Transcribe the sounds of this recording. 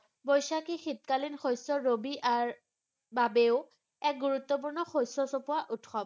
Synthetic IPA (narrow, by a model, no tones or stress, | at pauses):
bɔjsakixitkalinxojsɔɹobiʔaɹ | babeʊ | ɛk̚ɡuɹutːɔp̬uɹnɔxojsɔsɔpuaʔutʰxɔb